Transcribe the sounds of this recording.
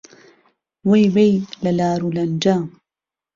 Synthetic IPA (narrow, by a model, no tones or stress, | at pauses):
wejwejlalaːɾulɐnd͡ʒaːm